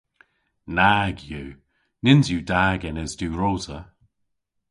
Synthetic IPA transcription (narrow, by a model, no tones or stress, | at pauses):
naɡjʉː | nɪnzjuːdaːɡɛnɛzdʉːɹoːzə